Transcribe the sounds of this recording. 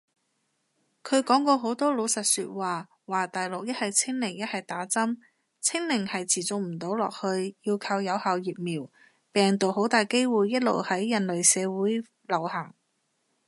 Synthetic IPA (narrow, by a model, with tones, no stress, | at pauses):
kʰɵ˨˧ɥkɔː˨˥ŋkɔː˧ɦo˨˥wt̪ɔː˥lo˨˧wsɐ˨t̚syː˧t̚waː˨˩ | waː˨˩t̪aː˨˩jlʊ˨k̚jɐ˥t̚hɐ˨jt͡sʰɪ˥ŋlɪ˨˩ŋjɐ˥t̚hɐ˨jt̪aː˨˥t͡sɐ˥m | t͡sʰɪ˥ŋlɪ˨˩ŋhɐ˨jt͡sʰiː˨˩t͡sʊ˨k̚m̩˨˩t̪o˨˥wlɔː˨k̚hɵ˧ɥjiː˧wkʰɐ˧wjɐ˨˧whaː˨˧wjiː˨p̚miː˨˩w | pɛː˨ŋt̪o˨wɦo˨˥wt̪aː˨jke˥jwuː˨jːɐ˥t̚lo̰˨˩whɐ˨˥jːɐ˨˩nlɵ˨ɥsɛː˨˧wuː˨˥j | lɐ˨˩whɐ˨˩ŋ